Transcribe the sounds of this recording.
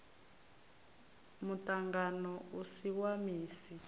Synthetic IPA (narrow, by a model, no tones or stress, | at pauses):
mutaŋɡanɔusiwamiːsi